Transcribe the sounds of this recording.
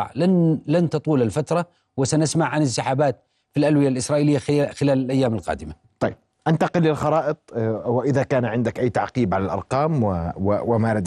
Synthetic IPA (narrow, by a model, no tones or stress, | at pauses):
ʕlanlant̪ɑt̪ˤuːlalfat̪ɾˤɑ | wɪsanɪsmaʕʕanɪnsɪħaːbaːt̪̚ | filʔalwɪjalʔɪsɾˤɑːʔilɪjːaxɪlaːlalʔajːaːmɪlqɑ̰ːd̪ɪma | t̪ˤɑjːb̚ʔant̪ɑqɪlːɪlxɑɾˤɑːʔɨt̪ˤwɪʔɪðakaːnʕɪnd̪ɪkʔajːt̪aʕqiːbʕalalʔɑ̰ɾˤqɑːmwwɪmaɾad̪